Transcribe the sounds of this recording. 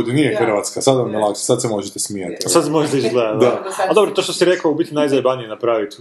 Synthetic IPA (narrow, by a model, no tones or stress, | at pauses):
d̪nijexr̩ʋat̪skasad̪ʋannelˠakʃe̥sad̪semo̞ʒet̪esmijat̪isad̪smojlit͡ʃɡlˠed̪d̪aad̪o̞bɾot̪oʃt̪osiɾekaubit̪ʲinajzajbanijenapɾaːʋit̪